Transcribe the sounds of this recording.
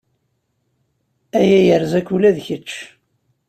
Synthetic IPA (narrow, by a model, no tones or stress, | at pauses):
æjæjəɾzækːulæðçət͡ʃː